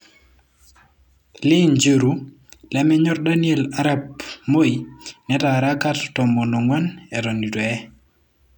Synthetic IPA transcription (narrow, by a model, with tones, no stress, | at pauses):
lɪ˦nd͡ʒə˦ɾu˦ | lɛ˦mɛ˦ɲɔ˦ɾda˦niɛla˦ɾap̚mo˦inɛ˦taɾa˦ka˦ttɔ˨mɔ˨nɔ˨ŋwa˦nɛ˨ɾɔ˨ni˨dwɔ˨ɛ˦